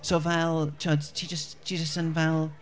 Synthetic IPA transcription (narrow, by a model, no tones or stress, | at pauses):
sovɛlˠt͡ʃʰɔdt͡ʃʰid͡ʒəstt͡ʃʰid͡ʒəstə̃nvɛlˠ